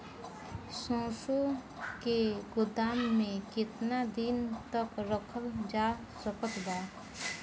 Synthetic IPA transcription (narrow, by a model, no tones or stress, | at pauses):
sõːsu | keɡʊd̪aːmːẽkɪt̪nad̪int̪əkɾəkʰəld͡ʒaː | səkət̪baː